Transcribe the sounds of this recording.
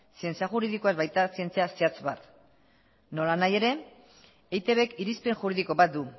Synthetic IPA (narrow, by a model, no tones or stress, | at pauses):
sie̞nt͡siaxuɾiðikoaezβajt̪asie̞nt͡siasiat͡sβa̰t̪ | no̞lanaje̞ɾe̞ | ejt̪e̞βe̞kiɾispe̞nʝuɾiðiko̞βat̪̚d̪u